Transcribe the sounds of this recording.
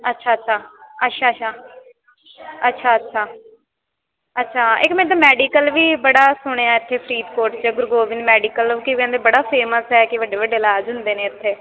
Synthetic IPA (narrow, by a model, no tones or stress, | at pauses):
ətːʃʰaːətːʃʰaːətːʃʰaːʃʰaː | ətːʃʰaːətːʃʰaː | ətːʃʰaːɪkmɛ̃ːd̪aːmɛːɖiːkəlʋiːbəɽaːsʊɽ̃eːaːɪt̪ʰːeːpʰɾiːd̪koːɾʈt͡ʃəɡʊɾɡoːʋɪ̃nmɛːɖiːkəlkikɛ̃ːnd̪eːbəɽaːpʰeːməsɦɛːkɪʋəɖːeːʋəɖeːɪlaːd͡ʒɦʊnd̪eːnẽːɪt̪ʰːeː